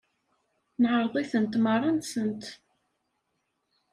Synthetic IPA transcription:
nʕəɾˤðˤiθənt̪mɑrˤːɑnt̪sənt̪

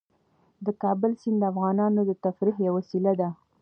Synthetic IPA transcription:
d̪əkɑbəlsind̪əafɣɑnɑnod̪ət̪afɾiɦjawasilad̪a

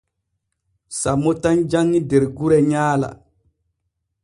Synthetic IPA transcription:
samːotand͡ʒaŋːideɾɡuɾɛɲaːla̰

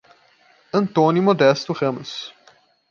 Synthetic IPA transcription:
ɐ̃nt̪õnjumod̪ɛst̪uʁɐ̃mʊs

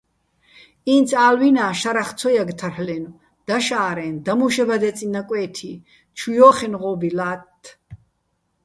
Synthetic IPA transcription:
int͡sʰaːlwinaːʃaɾaχt͡sʰɔjaɡt̪ʰarħlɛnu | d̪̥aʃaːɾɛnd̪amuʃɛbad̪ɛt͡sʼinakʼwɛːt̪ʰi | t͡ʃʰujɔːχɛnʁɔbilaːt̪ʰː

